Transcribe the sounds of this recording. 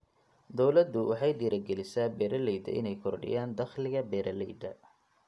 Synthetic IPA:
d̪ɔwlɐd̪ʊwɑħɑjd̪iːɾɐɡɛlɪsabɛːɾɐlɛjd̪ɐ̰ʔɪ̰nɛjkʰɔrɖɪ̰jaːnd̪ɐχlɪɣɐbɛːɾɐlɛjd̪ɐ

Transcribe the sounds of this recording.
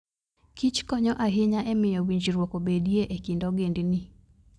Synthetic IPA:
kit͡ʃkɔɲɔʔaɦɪɲaʔɛmɪjɔwiɲd͡ʒiɾwokobedieʔekindɔɡendni

